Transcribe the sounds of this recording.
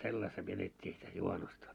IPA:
selːɑstɑ ʋietetʲːiː sitæ juhɑnustɑ

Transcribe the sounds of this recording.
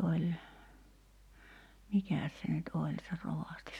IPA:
olʲ mikæˑs se nyt olʲ se roʋɑˑsti

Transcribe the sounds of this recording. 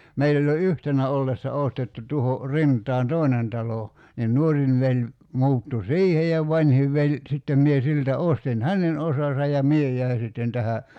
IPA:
meilː olʲ jo yhtenæ olːesːɑ ostetːu tuho rintˑɑːn toˑi̞nen tɑlo nin nuorin ʋelʲ muːtːu siːhe jɑ ʋɑnʲhiʋ ʋelʲ sitːem mie siltæ ostin hænen osɑsɑ jɑ mie jˑæi sitːen tæhæ

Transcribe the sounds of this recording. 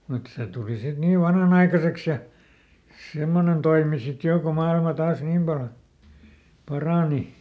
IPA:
mut se tuli sit niːʋ ʋɑnhɑnɑikɑseks jɑ semːonen toimi sit joˑ ko mɑilmɑ tɑːs niːm pɑl pɑrɑˑni

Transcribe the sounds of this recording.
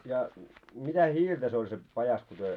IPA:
jɑ mitæ hiːltæ se olʲ se pɑjɑs ku tyø

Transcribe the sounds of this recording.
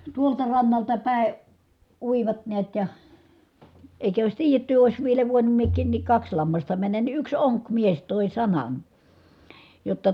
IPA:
tuoltɑ rɑnːɑltɑ pæˑe uiʋɑt neæt jɑ eˑi̯kæ ois tiːjetːy ois ʋielæ ʋoinum miekˑiːn nik kɑks lɑmːɑstɑ mænːæn ni yks oŋkmies toˑi sɑnɑn jotːɑ

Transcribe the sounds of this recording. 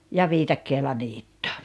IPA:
jɑ ʋiːtɑkːeːlɑ niːtːo

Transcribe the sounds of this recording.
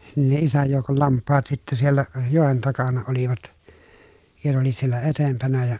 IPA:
nin ne isæj joˑukol lɑmpːɑːt sitːæ sielːæ joˑen tɑkɑnɑ oliʋɑt jɑ ne oli sielːæ etempænæ jɑ

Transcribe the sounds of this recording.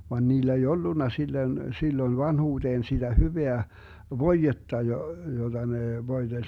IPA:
ʋɑn niːlæ ei olːunːɑ silːøn silːoĭn ʋɑnhuːd̥eːn sid̥æ hyʋeæ ʋoijetːɑ jo jod̥ɑ neˑ ʋoid̥elʲ

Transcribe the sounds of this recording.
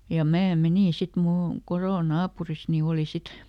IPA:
jɑ mæː meniˑn sit mulː on koroˑ nɑːpuris ni oˑli sit

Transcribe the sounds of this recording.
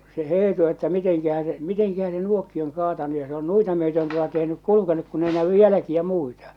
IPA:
se eːtu etːæ miteŋkæhæ se miteŋkæhæ se nuokːi oŋ kɑːtɑnu jɑ se on nuitɑ myøtøn tuotɑ tehnyk kulukenuk kun ei næʋy jælækiæ muitɑ

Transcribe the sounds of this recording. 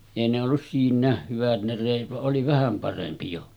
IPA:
eˑi ne olːus siːnˑæeh hyʋæt ne reˑit ʋɑʔ ʔoli ʋæhæm pɑrempi jo

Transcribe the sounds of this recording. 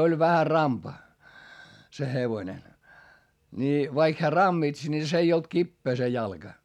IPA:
olʲ ʋæhæ rɑmpɑ se heʋoĭne nʲi ʋɑik heæ rɑmːits nʲi s ei olt kipːeː se jɑlɡ̊ɑ

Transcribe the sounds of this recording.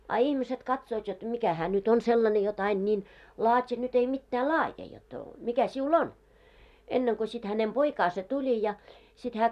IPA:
ɑ ihmiset kɑtsoːt jot mikæ hæː nyt on selːɑne jot ɑin nʲiːn lɑːtʲi nyt ei mitːæː lɑːje jot mikæ siul on enːeŋko sit hænem poikɑːse tulʲi jɑ sit hæː

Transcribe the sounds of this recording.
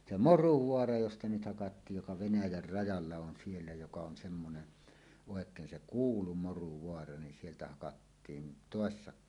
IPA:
se moruʋoɑrɑ jostɑ nyt hɑkɑtːiːj jokɑ ʋenæjær rɑjɑlːɑ on sielːæ jokɑ on semːonen oˑekˑeːn se kuːlu moruʋoɑrɑ nin sieltæ hɑkɑtːiːn toˑesːɑ

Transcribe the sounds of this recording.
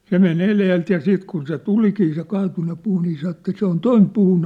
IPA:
se men eleːlt jɑ siːt kun se tulikiː se kɑːtunːe puː niː sɑ etːæ se on toim puːn

